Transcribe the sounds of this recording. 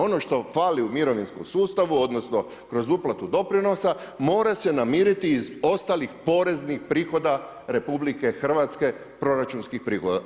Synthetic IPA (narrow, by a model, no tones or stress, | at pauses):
o̞no̞ʃt̪o̞faliumiɾo̞ʋinskomsuːst̪aʋuo̞d̪no̞sno̞ | kɾo̞zuplat̪ud̪o̞pɾino̞samo̞ːɾase̞namiːɾit̪iːzo̞st̪alixpo̞ɾe̞znixpɾiːxo̞d̪a | ɾe̞publike̞xr̩ʋat̪ske̞ | pɾo̞ɾat͡ʃunskixpɾiːxod̪a̰